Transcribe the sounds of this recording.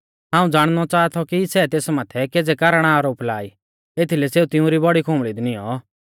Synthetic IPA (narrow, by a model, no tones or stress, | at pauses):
ɦãːũd͡zaːɽ̃nɔt͡ʃaːt̪ʰɔkisɛt̪eːsmaːt̪ʰɛkeːd͡zɛkɐɾɽ̃aːɾoːplaːi | eːt̪ʰilɛseːut̪ɪũɾibɔɽikʰõmɭid̪niɔ